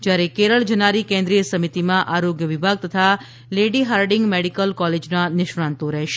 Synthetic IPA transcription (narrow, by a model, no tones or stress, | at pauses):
d͡ʒjaɾekeɾəɭd͡ʒənaɾikẽnd̪ɾijəsəmit̪imãʔaɾoɡjəʋibʱaɡ̚t̪ət̪ʰa | leɖiɦaɾɖɪŋɡmeɽikəlkɔled͡ʒnanɪʃɾãnt̪oɾəɦʃe̥